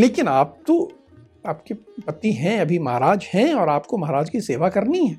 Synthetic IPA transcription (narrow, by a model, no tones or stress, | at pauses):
leːkɪnaːp̚t̪o | aːpkepɐt̪iɦɛ̃ɐbʱimɐɦaɾaːd͡ʒhɛ̃ɔːɾaːpkomɐɦaɾaːd͡ʒkiseːʋakɐɾniɦɛː